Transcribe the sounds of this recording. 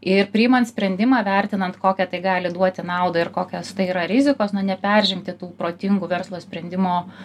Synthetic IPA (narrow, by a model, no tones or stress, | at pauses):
ɪrpʲɾʲɪɪmɐnt̪sʲpʲɾʲɛnʲd̪ʲɪmɑːʋʲɛɾʲt̪ʲɪnɐnt̪koːkʲɛt̪ɐɪɡɑːlʲɪd̪uɔt̪ʲɪnɑˑʊd̪ɐɪɾkoːkʲoːst̪ɐɪiːɾɐɾʲɪzʲɪkoːsnʊnʲɛpʲɛɾʲʒʲɛŋkt̪ʲɪt̪uːpɾoːt̪ʲɪŋɡʊʋʲɛrslˠoːsʲpʲɾʲɛnʲd̪ʲɪmoː